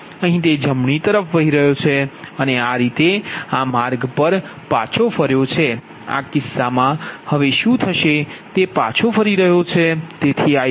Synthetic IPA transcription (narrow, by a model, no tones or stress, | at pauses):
əɦĩt̪ed͡ʒəmɳit̪əɾəfʋəɦiɾəɦjot͡ʃʰeəneaɾit̪eamaɾɡpəɾ | pã̰t͡ʃʰofəɾjot͡ʃʰe | a̰kɪsːamãhəʋeʃũt̪ʰəʃet̪epãt͡ʃʰofəɾiɾəɦjot͡ʃʰet̪et̪ʰia